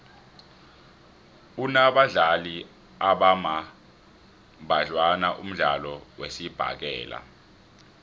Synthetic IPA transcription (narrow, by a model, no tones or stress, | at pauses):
unaɓaɮali | aɓama | ɓaɮwanaʔum̩ɮalɔwesib̥ʱa̰k̬ɛːla̰